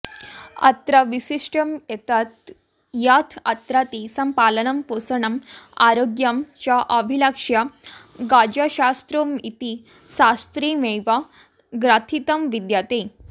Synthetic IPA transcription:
ɐ̰t̪ɾaʋisiʂʈəmjet̪at̪ | jat̪ʰɐt̪ɾat̪isəmpalənəmposəɳɐmaɾoɡjamt͡ɕjaʔəbʱiləkʂja | ɡad͡ʑaɕast̪ɾəmit̪i | sast̪ɾimeʋa | ɡɾat̪ʰit̪əmʋid̪jat̪e

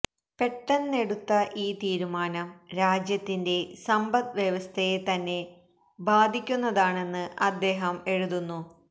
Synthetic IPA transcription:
pe̞ʈːɐnne̞ɽut̪ːɐʔiːt̪iːɾumaːnɐmɾaːd͡ʑjɐt̪ːinde̞sɐmbɐd̪ʋjeʋɐst̪ʰɐjet̪ɐnːe̞ | baːd̪ʱikʲːunːɐðaːɳe̞nːɨɐd̪ːe̞ːɦɐme̞ɻuðunːu

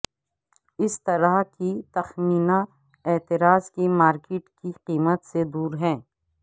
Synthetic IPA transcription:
ɪst̪ɐɾaɦkit̪ɐxmiːna | eːt̪ɪɾaːzkimaːɾkɪʈkiqiːmət̪sed̪uːɾɦɛ̃ː

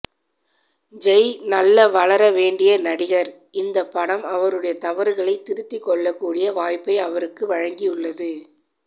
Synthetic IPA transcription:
d͡ʒɛɪnɐlːɐʋɐɭɐɾɐʋeːɳɖɪjɐnɐɽɪɣɐɾ | ɪnd̪ɐpːɐɽɐmɐʋɐɾɯɽɐjɐt̪ɐʋɐɾɯɣɐɭɐɪt̪ːɪɾɯt̪ːɪkːɔɭːɐkːuːɽɪjɐʋaːjpːɐɪɐʋɐɾɯkːɯʋɐɻɐŋɡɪjɯɭːɐðɯ

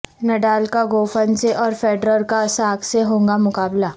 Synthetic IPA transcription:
nɐɖaːlkaɡoːfənseʔɔːɾfeːɖɾəɾkasaːkseɦõːŋɡamʊkaːbla

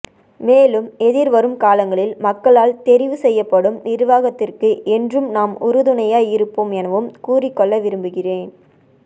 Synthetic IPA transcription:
meːlɯmɛðɪɾʋɐɾɯmkaːlɐŋɡɐɭɪlmɐkːɐɭaːlt̪ɛɾɪʋɯsɛjːɐpːɐɽɯmnɪɾʋaːɣɐt̪ːɪrkɯʔɛndrɯmnaːmʊɾɯðɯnɐjaːɪɾɯpːoːmɛnɐʋɯmkuːrɪkːɔɭːɐʋɪɾɯmbɯɣɪreːn

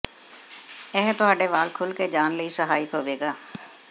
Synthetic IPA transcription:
ɛːɦt̪ʊaːɖeʋaːlkʰʊlked͡ʒaːnləisəɦaːikɦoːʋeːɡaː

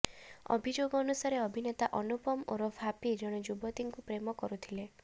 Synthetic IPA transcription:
ɔ̰bʱid͡ʒoɡɔɔnusaɾeɔbʱinet̪aʔɔnupɔmo̰ɾɔbʱapid͡ʒɔɽ̃ɔd͡ʒubɔt̪iŋkupɾemɔkɔɾut̪ʰile

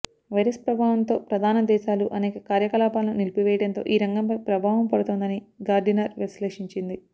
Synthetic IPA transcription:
ʋɐjɾespɾɐbʱaːʋɐnt̪o̞ːpɾɐd̪ʱaːnɐd̪ɛːʃaːluʔɐnɛːkɐkaːɾjɐkɐlaːpaːlɐnunilipiʋɛːjɐɽɐnt̪o̞̰ːʔiːɾɐŋɡɐmpɐjpɾɐbʱaːʋɐmpɐɽut̪oːnd̪ɐniɡaːɾɖinɐɾʋisleːʂiɲt͡ʃind̪i

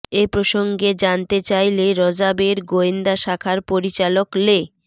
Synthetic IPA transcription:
epɾoʃoŋɡed͡ʑant̪et͡ɕajleɾɔd͡ʑabeɾɡoind̪aʃakʰaɾpoɾit͡ɕalokle

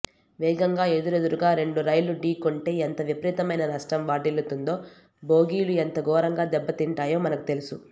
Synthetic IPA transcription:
ʋɛːɡɐŋɡaːe̞d̪uɾed̪uɾuɡaːɾe̞ɳɖuɾɐjluɖiːkoɳʈe̞ːent̪ɐʋipɐɾiːt̪ɐmɐjnɐnɐʂʈɐmʋaːɖilut̪und̪o̞ː | bo̞ːɡiːluent̪ɐɡɔːɾɐŋɡaːd̪ɛbːɐt̪iɳʈaːjoːmɐnɐku̥t̪e̞lusu

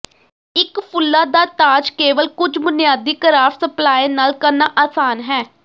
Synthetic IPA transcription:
ɪkpʰʊlːaːd̪aːt̪aːd͡ʒkeːʋəlkʊd͡ʒbʊnɪjaːd̪iːkəɾaːfsəplaːenaːlkəɾnaːʔaːsaːnɦɛː

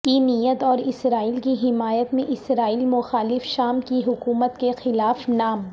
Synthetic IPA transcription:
kinijət̪ɔːɾɪsɾaːiːlkiɦɪmaːjət̪mẽʔɪsɾaːiːlmʊxaːlɪfʃaːmkiɦʊkuːmət̪kexɪlaːfnaːm

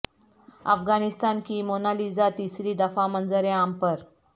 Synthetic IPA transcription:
ə̰fɡanist̪ankimonalid͡zat̪isɾiːd̪əfamənd͡zəɾeampəɾ

